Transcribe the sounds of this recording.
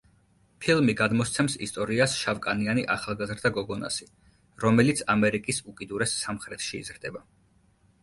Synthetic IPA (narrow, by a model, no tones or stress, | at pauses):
pʰilˠmiɡad̪mɔst̪sʰɛmsḭst̪ʼɔɾiasʃavkʼanianḭʔaχalˠɡazɾd̪aɡɔɡɔna̰si | ɾɔmɛlit̪sʰamɛɾikʼisukʼid̪uɾɛsːamχɾɛt̪ʰʃḭːzɾd̪ɛba